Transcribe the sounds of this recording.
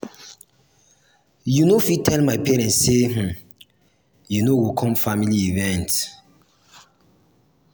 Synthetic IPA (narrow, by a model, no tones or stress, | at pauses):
junofitʰɛlmaɪpɛɹɛ̃nsːem̩ | junowikʰɔ̃mfamiliivɛ̃nt